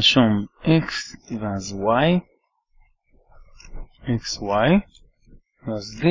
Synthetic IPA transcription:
ʃɔmɛksivazwaj | ikswaj | vazd̪i

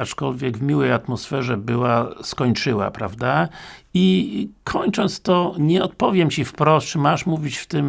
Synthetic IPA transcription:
at͡ʂkɔlvʲjɛɡvmʲiwɛjat̪mɔsfɛʐɛbɘwaskɔɲt͡ʂɘwa̰pɾavd̪aikʰɔɲt͡ʂɔnt̪st̪ɔɲɛɔt̪̚pɔvʲjɛmt͡ɕifpɾɔst̪ʂɘmaʂmuvʲit͡ɕft̪ɘm

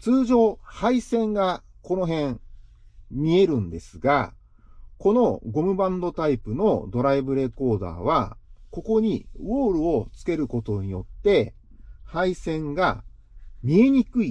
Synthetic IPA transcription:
t͡sɨːʑo̞ːhaisẽ̞ŋɡa | ko̞no̞ɦẽ̞ɴ | mʲie̞ɾɯ̟̃nd̪e̞sɨɡa̰ | ko̞no̞ɡo̞mɯ̟bãnd̪o̞t̪aipɯ̟no̞d̪o̞ɾaibɯ̟ɾe̞ko̞ːd̪a̰ːβako̞ko̞ɲ̟iβo̞ːɾɯ̟o̞t͡sɨ̥ke̞ɾɯ̟ko̞t̪o̞ɲ̟ijo̞t̪ːe̞ | haisẽ̞ŋɡa | mʲie̞ɲ̟ikɯ̟i

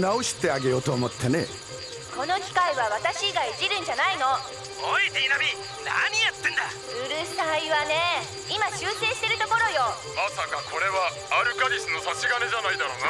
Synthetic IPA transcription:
nao̞ɕi̥t̪e̞aɡe̞jo̞t̪o̞ːmo̞t̪ːene̞̰ | kʰo̞no̞kʲi̥kaiβaβat̪aɕiɡaid͡ʑiɾɯ̟̃ɲ̟d͡ʑanaino̞ | oit̪einamʲi | na̰ɲ̟ijat̪ːẽnd̪a | ɯ̟ɾɯ̟saiβane̞ | imat͡ɕɨːse̞ːɕi̥t̪e̞ɾɯ̟t̪oko̞ɾo̞jo̞ | masakakʰo̞ɾe̞βaː | ɾɯ̟kaɾʲisɨnosat͡ɕiɡane̞d͡ʑanaid̪aɾo̞̰ːna

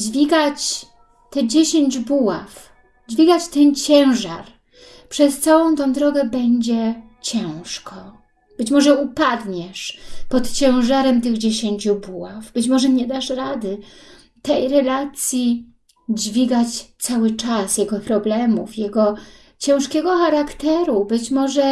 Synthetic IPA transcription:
d͡ʑvʲiɡat͡ɕ | t̪ɛd͡ʑeɕeɲd͡ʑbuwaf | d͡ʑvʲiɡat͡ɕt̪ɛnt͡ɕɛ̃w̃ʐa̰ɾ | pʂɛst̪sawɔ̃w̃t̪ɔ̃w̃d̪ɾɔɡɛbɛɲd͡ʑɛ | t͡ɕɛw̃ʂkʰɔ | b̥ɘt͡ɕmɔʐɛupad̪ɲɛʂpɔt̪t͡ɕɛ̃w̃ʐaɾɛmt̪ɘɣd͡ʑeɕeɲt͡ɕubuwavbɘt͡ɕmɔʐɛɲɛd̪aʂɾad̪ɘ | t̪ɛjɾɛlat̪sʲji | d͡ʑvʲiɡat͡ɕt̪sawɘt͡ʂasjɛɡɔpɾɔblɛmufjɛɡɔ | t͡ɕɛ̃w̃ʂkʲɛɡɔxaɾakt̪ɛɾubɘt͡ɕmɔʐɛ

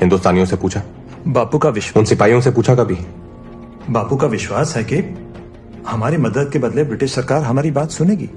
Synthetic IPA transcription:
hɪ̃nd̪ʊst̪aːnijõsepuːt͡ʃʰa | baːpukaʋɪʃʊ̃nsɪpaːijõsepuːt͡ʃʰakɐbʱi | baːpukaʋɪʃwaːsɦɛke | hɐmaːɾemɐd̪əd̪̚kebɐd̪lebɾɪʈɪʃsɐɾkaːɾɦɐmaːɾibaːt̪sʊneːɡḭː

